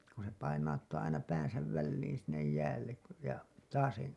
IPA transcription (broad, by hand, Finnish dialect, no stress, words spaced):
kun̞ se pɑinɑutːɑː ɑinɑ pæːn̞sæʋ ʋælːiːn sinːej jæːlːek ku jɑ tɑːsẽː